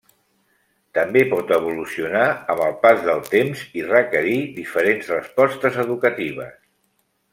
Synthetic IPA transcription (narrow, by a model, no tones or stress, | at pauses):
t̪əmbepɔt̪əβ̞ulusiunaəməlˠpazðəlˠt̪emzirəkəɾiðifəɾenzrəspɔst̪əzəðukət̪iβ̞ə̰s